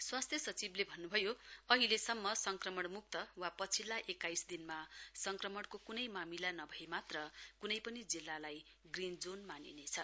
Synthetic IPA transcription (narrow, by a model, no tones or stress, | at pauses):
swast̪ʰjʌsʌt͡siblebʱʌnːubʱʌjoʌɦilesʌmːʌsʌŋkrʌmʌɽmuk̚t̪ʌwapʌt͡sʰilːaʔekajsd̪inmasʌŋkrʌmʌɽkokunʌjmamilanʌbʱʌemat̪rʌkunʌjpʌnid͡zilːalaj | ɡrind͡zonmaninet͡sʰʌ